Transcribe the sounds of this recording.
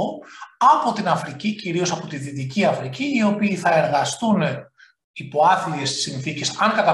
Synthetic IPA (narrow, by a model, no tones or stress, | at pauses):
ɐpo̞t̪inɐfɾiciciɾio̞sɐpo̞t̪iðit̪iciɐfɾiciːio̞piːθɐe̞ɾɣɐst̪une | ipo̞ɐθiʎe̞st̪isinθicesɐŋkɐt̪ɐ